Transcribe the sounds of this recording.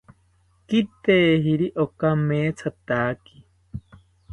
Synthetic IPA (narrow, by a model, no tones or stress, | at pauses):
kit̪eːɦiɾiʔokameːt͡sʰat̪aːki̥